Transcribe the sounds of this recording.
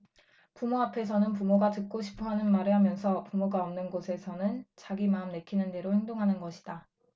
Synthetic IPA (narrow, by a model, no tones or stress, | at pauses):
pumoapʰe̞sʰʌnɯnp̬umoɡatɯk̚k͈oɕʰi̥pʰoɦanɯnmaɾɯɭɦamjʌnsʰʌpumoɡaʌmnɯnɡosʰe̞sʰʌnɯnt͡ɕaɡimaɯmne̞kʰinɯnde̞ɾohe̞ŋdoŋɦanɯnɡʌɕʰi̥d̥a